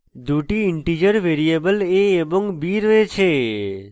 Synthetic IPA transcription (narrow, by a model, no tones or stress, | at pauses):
d̪ʱuʈiɪɳʈid͡ʒəɾʋeɾijebəleːbɔŋɡbiɾəet͡ʃʰe